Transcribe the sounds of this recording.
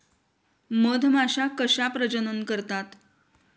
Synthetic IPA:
məd̪ʱmaɕakəɕapɾəd͡ʑənənkəɾt̪at̪

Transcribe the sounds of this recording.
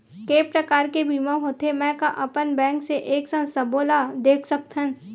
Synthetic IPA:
keːpɾəkaːɾkebʱiːmãɦot̪emɛ̃ːkaʔɐpənbɛ̃ːŋkseʔeːksə̃sɐboːlad̪eːkʰsɐk̚t̪ɦə̃n

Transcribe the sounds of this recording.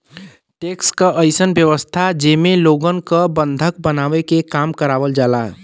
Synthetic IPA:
ʈekskəʔəɪsənbjəʋəst̪ʰad͡ʒemeloɡənkəbənd̪ʱək̚bənaʋekekamkəɾaʋəld͡ʒalaɦ

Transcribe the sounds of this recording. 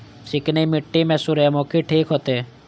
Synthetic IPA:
sɪknemiʈːimɛsuɾemɔkʰiʈʰiːkɦɔt̪e

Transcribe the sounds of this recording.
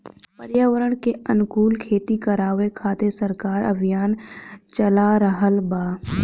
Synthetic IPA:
pəɾjaːʋəɾəɽ̃keɐnʊkuːlkʰeːt̪ikəɾaːʋekʰaːt̪esəɾkaːɾə̰bʱijaːnt͡ʃəlaɾəɦəlbaː

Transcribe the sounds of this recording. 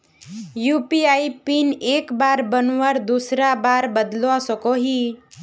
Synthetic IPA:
jupiajpinekbaɾbənwaɾd̪usɾabaɾbəd̪lãsɔkoɦi

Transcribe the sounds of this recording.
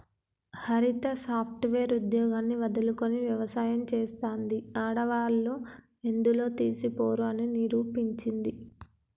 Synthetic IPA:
hɐɾit̪ɐsaːpʰʈʋeːɾud̪jɔːɡaːnːiʋɐd̪ɐluko̞niʋjɐʋɐsaːjɐmt͡ʃeːst̪oːnd̪iaːɽɐʋaːlːu | end̪ulo̞ːt̪iːsipo̞ːɾuɐniniɾuːpiɲt͡ʃind̪i

